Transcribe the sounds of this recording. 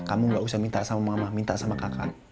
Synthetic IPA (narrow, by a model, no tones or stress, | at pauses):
kamuŋɡaʔusahmint̪aʔsamamamamint̪aʔsamakakʰa̰n